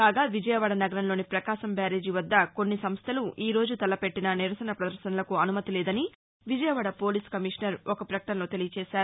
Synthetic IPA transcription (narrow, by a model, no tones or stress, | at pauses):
kaːɡaːʋid͡ʒɐjɐʋaːɽɐnɐɡɐɾɐnlo̞ːnipɾɐkaːʃɐmbaːɾe̞ːd͡ʒiʋɐd̪ːɐko̞nːisɐmst̪ʰɐluʔiːɾo̞ːd͡ʒut̪ɐlɐpe̞ʈːinɐniɾɐsɐnɐpɾɐd̪ɐɾʃɐnɐlɐkuɐnumɐt̪ilɛːd̪ɐni | ʋid͡ʒɐjɐʋaːɽɐpo̞ːliːskɐmiʂɐnɐɾɔkɐpɾɐkɐ̥ʈɐnlo̞ːt̪e̞lijɐt͡ʃɛːʃaːɾu